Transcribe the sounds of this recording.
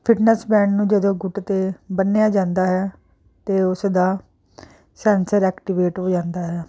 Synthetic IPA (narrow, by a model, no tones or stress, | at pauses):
pʰɪʈnəsbɛ̃ːɳɖnũːd͡ʒəd̪õːɡʊʈt̪eːbənːejaːd͡ʒãːnd̪aːɦɛː | t̪eːʊsd̪aː | sɛːnsəɾɛːkʈɪʋeːʈɦoːd͡ʒãːnd̪aːɦɛː